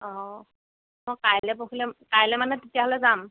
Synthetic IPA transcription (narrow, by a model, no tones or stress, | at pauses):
ɔ | mɔjkajlɛpoxʰilɛkajlɛmanɛtetijaɦɔlɛzam